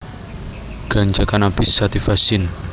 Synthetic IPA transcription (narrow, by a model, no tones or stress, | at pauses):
ɡ̥a̤ɲd͡ʒakanab̥ɪsːat̪ifasɪn